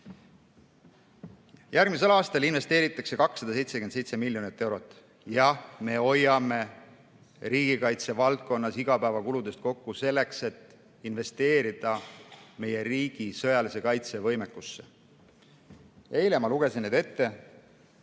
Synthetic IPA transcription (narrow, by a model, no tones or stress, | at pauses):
jærɡmise̞lɑːst̪ɑlinve̞st̪e̞ːɾit̪ːˑɑkse̞kɑksːɑd̪̥ɑse̞jt̪se̥yend̪sejt̪se̞milʲːjo̞nit̪ːe̞wɾo̞t̪ːˑ | jɑhme̞o̞jɑme̞ | ɾiːɡ̥ikɑjt̪se̞vɑlt̪̚ko̞nːɑsiɡ̥ɑpæevɑkulud̪e̞st̪̚ko̞kːuse̞lːe̞kse̞t̪ː | inve̞st̪e̞ːɾid̪̥ɑme̞je̞riːɡ̥isɤ̞jɑlise̞kɑjt̪se̞vɤ̞jmekːˑusːe̞ | e̞jlemɑluɡ̥e̞sinːed̪e̞t̪ːe̞